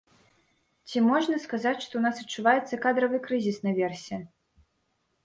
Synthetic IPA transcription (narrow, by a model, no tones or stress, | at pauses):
t͡sʲimɔʐnɐskazat͡sʲʂt̪ɔwnasɐt͡ʂːuvajɛt̪sːɐkad̪ɾɐvɨkɾɨzʲisnɐvʲɛrsʲɛ